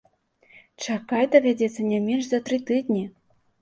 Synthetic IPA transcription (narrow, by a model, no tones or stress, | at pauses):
t͡ʂakajd̪ɐvʲadʲɛt̪sːɐnʲɛmʲenʲʂzat̪ɾɨt̪ɨd̪ʲnʲi